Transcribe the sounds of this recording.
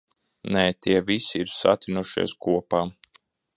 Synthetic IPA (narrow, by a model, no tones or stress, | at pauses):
neːt̪iɛvisiiɾsa̰t̪ʲinuʃḭɛskuɔpaː